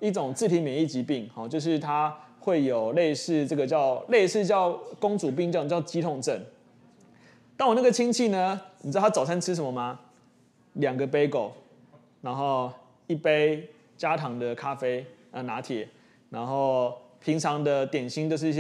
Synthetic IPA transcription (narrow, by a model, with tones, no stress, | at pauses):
i˥˩ʈ͡ʂʊ˨˩ŋt͡sɹ̩ʰ˥˩i˨˥mjɛ˨˩ni˥˩t͡ɕi˧˥pi˥˨˩ŋxɔ˨t͡ɕjo˥˧ʊʂ̬ɻ̩˥˩t̪ʰa˦xwe˥˩ɪjo˨˩ʊle˥˧ɪʂɻ̩˥˧ʈ͡ʂə˥˩ɡə˨˩t͡ɕjɑ˥˧ʊle˥˧ɪʂɻ̩˥˧t͡ɕjɑ˥˨˩ʊkʊ˥ŋt͡su˨˩p̬i˥˧ŋt͡ɕɑ̃˥˧˩t͡ɕjɑ˥˩ʊt͡ɕi˥t̪ʰʊ˨˩ŋʈ͡ʂə˥˩n | t̪a˥˩ŋwɔ˨˩na˥˩ɡə˨t͡ɕʰi˦˥ŋt͡ɕʰi˥˩nə˨ni˨˧˥a˥t͡sɑ˨˩sʰa˥nʈ͡ʂʰɻ̩˥ʂ̬ə˨˦mə˧˦ma˨˧ | ljɑ˨˩ŋɡə˨p̬e˦˥ɪko˨˩ʊ | na˧˥nxo˥˧ʊ | i˥˩pe˦˥ɪ | t͡ɕja˦˥t̪ʰɑ˨˧˥ŋd̪ə˨kʰa˦fe˥ɪ | ə˨na˧˥˦t̪ʰjɛ˨˩˦ | na˧˥nxo˥˩ʊpʰi˧˥ŋt͡sʰɑ˧˥ŋd̪ə˨˧t̪jɛ˨˩nɕi˧˥ŋnt͡ɕjo˥˧ʊʂ̬̩˥˧i˧˩˥